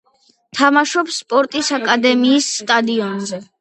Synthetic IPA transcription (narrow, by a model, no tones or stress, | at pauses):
t̪ʰamaʃɔpsːpʼɔɾt̪ʼisakʼad̪ɛmiːsːt̪ʼad̪iɔnzɛ